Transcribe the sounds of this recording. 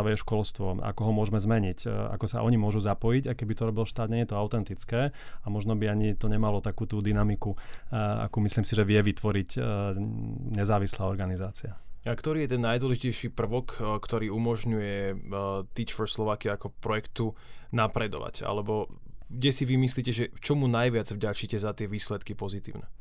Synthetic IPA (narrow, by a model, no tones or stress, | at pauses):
aʋɛjɛʃkɔlst̪ʋɔʔa̰kɔɦɔmʊɔʒmɛzmɛɲica̰kɔsa̰ʔɔɲimʊɔʒuzapɔjiɟakɛbit̪ɔɾɔbilʃt̪aːd̪ɲɛɛt̪ɔaʊt̪ɛnt̪it͡skɛːamɔʒnɔbiaɲit̪ɔɲɛmalɔt̪akuːt̪uːd̪inamikua̰kuːmisliːmsiʒɛʋɪɛʋit̪ʋɔɾic | ɲɛzaːʋislaːɔɾɡanizaːt͡siaakt̪ɔɾiːjɛt̪ɛnːajd̪ʊwɔlɛʒicɛjʃipr̩ʋɔkkt̪ɔɾiːumɔʒɲujɛ | t̪iːt͡ʃfɔɾslɔʋaːkiakɔpɾɔjɛkt̪unapɾɛd̪ɔ̰ʋa̰ca̰lɛbɔɡɟɛsiʋimisliːcɛʒɛft͡ʃɔmunajʋɪad͡zvɟat͡ʃicɛzat̪ɪɛʋiːslɛt̪kipɔzit̪ḭːʊnɛ